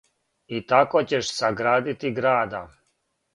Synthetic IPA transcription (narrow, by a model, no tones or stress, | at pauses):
it̪akot͡ɕeʃsaɡɾaːd̪it̪iɡɾaːd̪a